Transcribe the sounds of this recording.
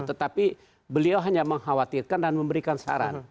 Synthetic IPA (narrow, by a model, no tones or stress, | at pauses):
t̪ət̪api | bəliawɦaɲaməŋɦawat̪irkandanməmbəɾikansa̰ɾa̰n